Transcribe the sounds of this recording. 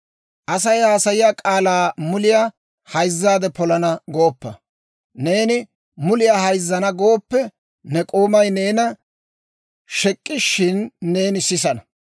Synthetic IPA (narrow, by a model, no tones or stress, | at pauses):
ʔɐs̬ɐjhaːsɐjɪjaːkʼaːlaːmʊlɪja | hɐjzːaːd̪ɛpɔlɐnɐɡo̞ːpːɐ | ne̞ːnɪ | mʊlɪjaːhɐjzːɐnɐɡo̞ːpːɛ | nɛkʼoːmɐjne̞ːnɐ | ʃɛkʼːɪʃɪnːe̞ːnɪsːɪs̬ɐnɐ